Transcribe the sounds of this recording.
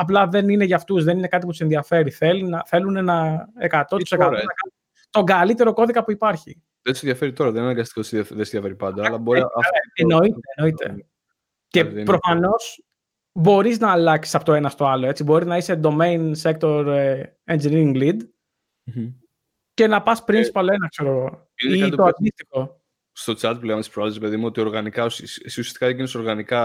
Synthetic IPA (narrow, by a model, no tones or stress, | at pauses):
ɐp̬lɐðe̞nine̞ʝɐft̪uzðe̞nine̞kɐt̪̬ip̬ut̪use̞nðiɐfe̞ɾiθe̞linɐθe̞lune̞nɐekɐt̪o̞t̪u̥sekɐt̪ɐkɐ | t̪o̞ŋɡɐlit̪e̞ɾo̞ko̞ðikɐpuipɐɾçi | ðnd̪useðjɐfe̞ɾit̪o̞ɾɐðeninɐɡɐst̪i̥kot̪sɐðenseðijɐfeɾipɐnd̪ɐːlɐboɾiɐ̰eno̞it̪eno̞it̪ḛ | ce̞pɾofɐno̞s | bo̞ɾiznɐːlɐksisɐpot̪oe̞nɐst̪o̞ɐloe̞t͡sibo̞ɾiznɐised̪o̞mejnsek̚t̪o̞ɾe | end͡ʒiniiŋɡlid̪̩ | ce̞nɐpɐspɾinspɐloenɐkse̞ɾo̞ɣo̞ | init̪t̪oɐd̪ist̪ixo̞ | st̪o̞t͡sɐt̪̚pleɐmt̪ispɾoɐlsɾepe̞ðimuo̞t̪io̞ɾɣɐnikɐussusiɐsi̥kɐeɡinesoɾɣɐnikɐ